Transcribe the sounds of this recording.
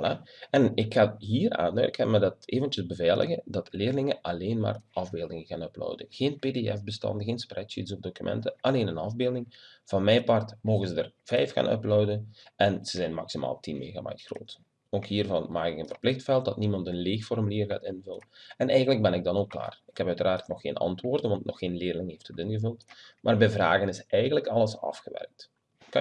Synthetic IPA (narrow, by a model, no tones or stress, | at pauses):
laɛnɪkxaːɦiːra̰ːndœ̰kəmɛdəteːvəntjəzbəvɛːlʔə̰ɣədɑtleːrlɪŋəʔɑleːnma̰ːrʔɑvbeːlˠdɪŋəɣaːnœplœ̰wdəɣeːnpedeɛfbəstɑ̰ndəɣeːnsprʔɛt͡ʃitsɔvdokymʔɛ̰ntəʔɑleːnənɑvbeːlˠdɪŋ | v̥ɑnmɛjpɑrtmoːɣənzədərv̥ɛjfxa̰ːnʔœ̰plœwdənɛnz̥əzɛjnmɑ̰ksimʔa̰ːlˠtinmḛːɣa̰ma̰jtxro̰ːt | oːkɦiːrvɑnmaːkɪkənvərplɪxtfɛlˠt̚dɑtnimɑntənleːxfɔrmyliːrɣaːtɪnvɵləɛnɛjɣəntləɡ̚bɛnɪɡ̚dɑnoːkːla̰ːrɪkhɛpœɥtəɾaːrtnɔxːeːnɑ̰ntʋoːrdənʋɑntnʔɔxːeːnleːrlɪŋɦeːfthətɪnɣəvɵlˠtmʔaːrbɛjvra̰ːɣənɪsɛjɣənləkɑlˠəsɑ̰fxəʋɛ̰rk̚t | kɑ